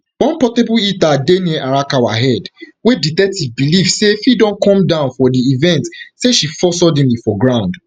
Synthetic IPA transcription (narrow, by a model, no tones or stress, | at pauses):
bɔ̃npɔtebuitadenieʔaɹakawaɦɛdweditɛk̚tivbilifsefidɔ̃nkɔ̃mdãʊ̃nfɔdiːvɛ̃ntseʃifɔsɔdɛ̃nlifɔɡɹãʊ̃nd